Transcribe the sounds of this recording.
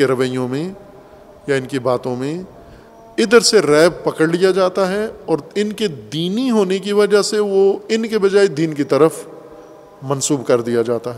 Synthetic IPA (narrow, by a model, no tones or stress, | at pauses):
eɾɐʋəjõmẽ | jaɪnkibaːt̪õmẽ | ɪd̪əɾseɾɛːb̚pɐkəɽlijad͡ʒaːt̪aɦɛɔːɾɪnked̪iːniɦoːnek̬iʋɐd͡ʒaɦseʋoɪnkebɐd͡ʒaːed̪iːnkit̪ɐɾəf | mɐ̃nsuːbkɐɾd̪ijad͡ʒaːt̪aɦɛː